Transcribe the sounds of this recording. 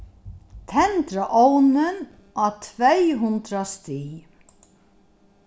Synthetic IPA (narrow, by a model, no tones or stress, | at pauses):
t̪ʰɛnt̪ɾaʔownɪn | at̪ʰvejɦʊnt̪ɾast̪i